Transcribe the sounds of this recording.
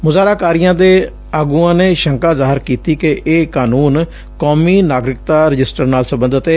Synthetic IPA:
mʊzaːɾaːkaːɾijãːd̪eː | aːɡuːãːneːʃəŋkaːzaːɦɪɾkiːt̪iːkeʔeːkaːnuːn | koːmiːnaːɡɾɪkt̪aːɾɪd͡ʒɪsʈəɾnaːlsəmbənd̪ət̪eː

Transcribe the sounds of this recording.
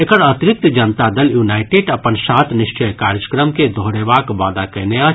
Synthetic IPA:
ekəɾɐt̪ɾɪk̚t̪d͡ʒɐnt̪ad̪əljuːnaːɪʈeːɖɐpənsaːt̪ʰnɪʃt͡ʃəjkaːɾjəkɾəmked̪ʱoːɾeʋaːkʋaːd̪akɛnea

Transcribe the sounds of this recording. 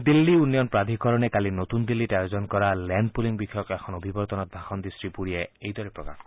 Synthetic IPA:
d̪ilːiunjɔnpad̪ʱikɔɾɔnekalinot̪und̪ilːiʈajozɔnkɔɾalɛnpuliŋbikʰːjɔkɛxʰɔnobʱibɔɾt̪ɔnɔt̪̚bʱaxɔnd̪isɹipuɾieejd̪ɔɾipɹɔka̰x

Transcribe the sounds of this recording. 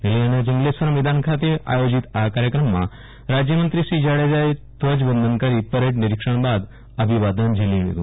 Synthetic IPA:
nelianad͡ʑiŋɡlesʋəɾmʋid̪ankʰat̪̬iɾa̰jod͡ʑit̪akaɾjəkɾəmːa̰ | ɾad͡ʑjəmənt̪ɾiɕɾiːd͡ʑaɽed͡ʑajt̪ʋəd͡ʑbənd̪ənkaɾiːpəɾeʈniɾikʂəɳbad̪ | əbʱiʋad̪ənd͡ʑʱelĩʋḛɡṵ

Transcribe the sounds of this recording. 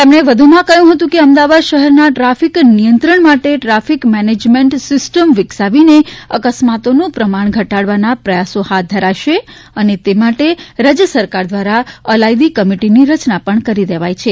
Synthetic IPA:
t̪emɽ̃eʋəd̪ʱumãkəjũɦət̪ũkeəmd̪aʋad̪ʃəɦɛɾnaʈɾafiknijənt̪ɾəɳmaʈeʈɾafikmɛned͡ʒmẽɳʈsɪsʈəmʋɪksaʋineəkəsmat̪onũpɾəmaɳ̃ɡʱəʈaɽʋanapɾəjasohat̪̚d̪ʱəɾaʃe | ənet̪emaʈeɾad͡ʒjəsəɾkaɾd̪ʋaɾaəlajd̪ikəmiʈiniɾət͡ʃnapəɳkəɾid̪eʋajt͡ʃʰe

